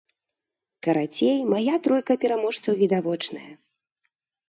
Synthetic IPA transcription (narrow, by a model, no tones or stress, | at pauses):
kɐɾat͡sʲejmajat̪ɾɔjkɐpʲɛɾamɔʂt̪sɐwvʲid̪avɔt͡ʂnɐ̰jɐ